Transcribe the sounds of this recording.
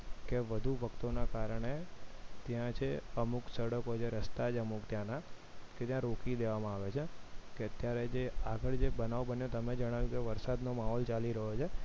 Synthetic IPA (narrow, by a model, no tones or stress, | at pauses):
keʋəd̪ʱuʋəkt̪onakaɾəɽ̃et̪jãt͡ʃʰeəmuksəɽəkɦot͡ʃʰeɾəst̪ad͡ʒəmukt̪jãnaket̪jãɾokid̪eʋamãaʋet͡ʃʰekeət̪jaɾed͡ʒeaɡəɭd͡ʒebənaʋbənjot̪əmed͡ʒəɽ̃aʋjũkeʋəɾsad̪nomaɦɔlt͡ʃaliɾəɦot͡ʃʰe